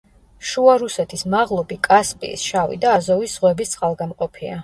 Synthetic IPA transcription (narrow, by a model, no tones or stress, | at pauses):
ʃuaɾusɛt̪ʰismaʁlˠɔbikʼaspʼḭːsʃavḭd̪aːzɔvisz̥ʁwɛbist̪sʼalˠɡamqʼɔpʰia̰